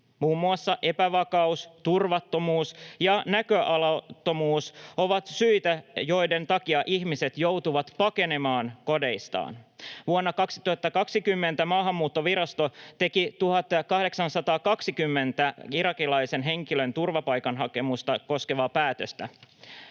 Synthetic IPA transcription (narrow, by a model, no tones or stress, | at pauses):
muːmːuɑsːɑʔe̞pæʋɑkɑust̪urʋɑt̪ːo̞muːsjɑnækøʔɑlɑt̪ːo̞muːso̞ʋɑt̪syit̪æjo̞jde̞nt̪ɑkiɑʔihmise̞t̪jo̞wt̪uʋɑt̪pɑke̞ne̞mɑːnko̞de̞ist̪ɑ̰ːnʋuonːɑkɑksi̥t̪uhɑt̪ːɑkɑksikymːe̞nt̪æmɑːɦɑmːuːt̪ːo̞ʋiɾɑst̪o̞t̪e̞kit̪uhɑt̪ːkɑhde̞ksɑnsɑt̪ɑːkɑksikymːe̞nt̪æiɾɑkilɑjse̞nɦe̞ŋkilø̞nt̪urʋɑpɑjkɑnɦɑke̞must̪ɑko̞ske̞ʋɑːpæːt̪øst̪æ